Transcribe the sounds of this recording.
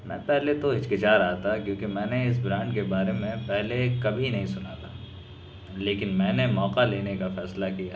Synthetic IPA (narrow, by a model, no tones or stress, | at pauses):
mɛ̰̃ːpɛɦlet̪oɪt͡ʃkɪt͡ʃaːɾɐat̪ʰakjõːkemɛ̃ːneɪs̬bɾãːɳɖkebaːɾemẽpɛɦlekɐbʱinɐɦĩsʊnaːt̪ʰaː | leːkɪnmɛ̃ːnemɔːqaleːnekafɛːslakija